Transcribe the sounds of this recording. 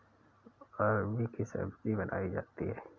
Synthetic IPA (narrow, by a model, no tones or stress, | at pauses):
ɔːɾbikisə̰bkibɐnʔa̰ːid͡ʒa̰ːt̪iɦɛː